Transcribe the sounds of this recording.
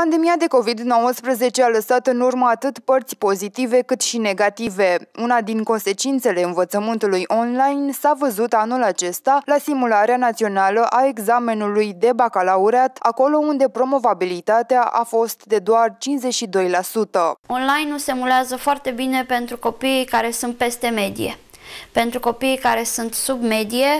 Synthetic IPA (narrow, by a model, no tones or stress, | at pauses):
pand̪e̞miad̪e̞ko̞vid̪no̞wəspɾəze̞t͡ʃe̞aləsat̪ɨnurməat̪ɨt̪pərt̪sʲpo̞zit̪ive̞kɨt̪ʃine̞ɡat̪ive̞unad̪iŋko̞nse̞t͡ʃint̪se̞le̞ɨnvət̪səmɨnt̪ulujʔo̞nlajnsavəzut̪anulat͡ʃe̞st̪alasimulaɾeanat̪sio̞naləʔae̞ɡzame̞nulujd̪e̞bakalauɾeat̪ako̞lo̞und̪e̞pɾo̞mo̞vabilit̪at̪eaʔa̰fo̞st̪d̪e̞d̪oart͡ʃinsze̞t͡ʃʃid̪o̞jlasut̪əo̞nlajnusemuleazəfoart̪e̞bine̞pe̞nt̪ɾuko̞pikaɾe̞sunt̪̚pe̞st̪e̞me̞d̪ḭje̞̰ | pe̞nt̪ɾuko̞pijkaɾe̞sunt̪subme̞d̪ije̞